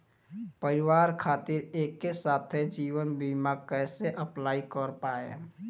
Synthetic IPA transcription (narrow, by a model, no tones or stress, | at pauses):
pəɾɪwaːɾkʰaːt̪ɪɾeːkːesaːt̪ʰed͡ʒiːʋənbimakɛːseʔəplaːikəɾpaːḛ